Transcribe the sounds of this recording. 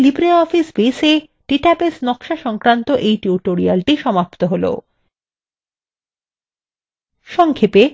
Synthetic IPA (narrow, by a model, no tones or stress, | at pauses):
libɾeɔfisbese | ʈiʈabesnɔkʃaʃɔŋkɾant̪oʔejʈiuʈoɾialʈiʃɔmapt̪oɦolo̰ | ʃɔŋkʰepe